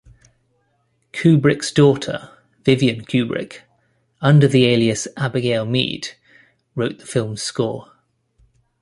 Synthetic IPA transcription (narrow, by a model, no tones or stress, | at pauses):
kʰʉːbɹɪksd̥ɔˑtʰə̰ | vɪvjə̃nkʰj̥ʉːbɹɪ̰k | ʌ̃ndəðieɪliəsabəɡɛɪlˠmḭːd̥ | ɹəʊʔðəfɪlˠm̥skɔ̰ː